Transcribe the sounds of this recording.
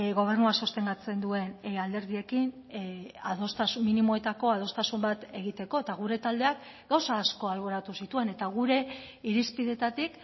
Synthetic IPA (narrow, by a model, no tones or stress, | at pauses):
ɣo̞β̞e̞rnuaso̞st̪e̞ŋɡat͡se̞nd̪ue̞nald̪e̞ɾð̞ie̞kin | aðo̞st̪asuminimo̞e̞t̪ako̞að̞o̞st̪asumbat̪e̞ɣ̞it̪e̞ko̞e̞t̪aɣ̞uɾe̞t̪ald̪e̞ak | ɡ̥awsaːsko̞alβo̞ɾat̪usit̪ue̞ne̞t̪aɣ̞uɾe̞ | iɾispiðe̞t̪at̪ik